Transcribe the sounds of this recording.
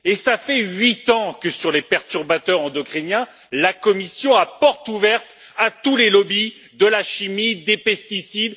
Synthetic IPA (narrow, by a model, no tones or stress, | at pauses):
esafɛɥit̪ɑ̃kəsyʁlepɛʁt̪yʁbat̪œʁɑ̃d̪ɔkχinjɛ̃ | lakɔmisjɔ̃apɔʁt̪uvɛʁt̪ | at̪ulelɔbi | d̪əlaʃimid̪epɛst̪isid̪